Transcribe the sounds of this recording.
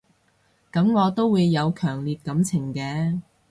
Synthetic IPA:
kɐ˨˥mŋɔː˨˧t̪o˥wuː˨˧jːɐ˨˧wkʰœː˨˩ŋliː˨˧t̚kɐ˨˥mt͡sʰɪ˨˩ŋkɛː˧˥

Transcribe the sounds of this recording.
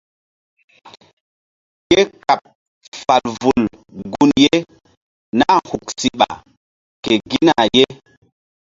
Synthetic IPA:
ke˦ka˨p̚ | fa˨lvu˨l | ɡu˦nje˦ | na˦hu˨k̚si˨ɓa̰˨ | ke˨ɡi˦na˨je˦

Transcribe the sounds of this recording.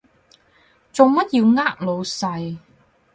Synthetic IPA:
t͡sʊ˨˧ŋmɐ˥t̚jiː˧wŋaː˥k̚lo˨˧wsɐ˧j

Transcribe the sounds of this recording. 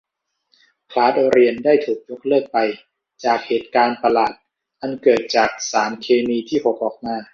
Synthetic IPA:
pʰlaː˦˥t̪̚ɾi˧əndaː˥˩jt̪ʰuː˨˩k̚jo˦˥k̚lɤː˥˩ək̚pa˧j | t͡ɕaː˨˩k̚heː˨˩t̪̚kaː˧npa˧laː˨˩t̪̚ | ʔa˧nkɤː˨˩t̪̚t͡ɕaː˨˩k̚saː˩˦mkʰeː˧miː˧t̪ʰiː˥˩pʰo˨˦p̚ʔɔː˨˩k̚maː˧

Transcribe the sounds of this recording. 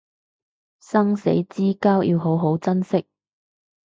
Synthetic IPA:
sɐ˥ŋsḛ˨˥jt͡siː˥kaː˥wjʔḭː˧wɦo˨˥wɦo˨˥wt͡sɐ˥nsɪ˥k̚

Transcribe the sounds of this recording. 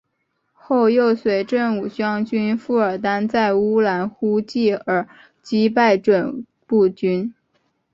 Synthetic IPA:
xo˥˧ʊjo˥˩ʊswe˧˥ɪʈ͡ʂə˥˩nu˨˩ɕɥɑ˥ŋt͡ɕy˥nfu˥˩ə˞˨˩t̪a˥nt͡sa˥˩ɪu˥la˧˥nxu˥t͡ɕi˥˩ə˞˨˩ | t͡ɕi˥p̬a˥˩ɪʈ͡ʂwə˨˩n | pu˥˩t͡ɕy˥n

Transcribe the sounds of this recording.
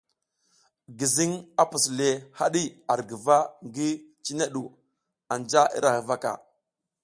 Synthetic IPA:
ɡi˨zi˦ŋa˦pu˨sle˨ha˦ɗi˦a˨ɾɡə˨va˦ŋɡi˦t͡ʃi˦ne˦ɗu˨ | a˨nd͡ʒa˦ḭ˦ɾa˨hi˨va˦ka̰˨

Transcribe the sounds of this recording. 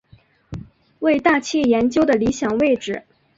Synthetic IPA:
we˥˧ɪt̪a˥˧t͡ɕʰɛ˥˩jɛ˧˥nt͡ɕjo˥ʊd̪ə˨li˧˥ɕjɑ˨˩ŋwe˥˧ɪʈ͡ʂɻ̩˨˩

